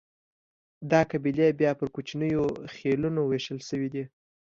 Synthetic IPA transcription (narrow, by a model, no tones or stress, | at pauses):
d̪ɑkabilebjɑpəɾkot͡ʃinəjoxelunoweʃəlʃəwid̪i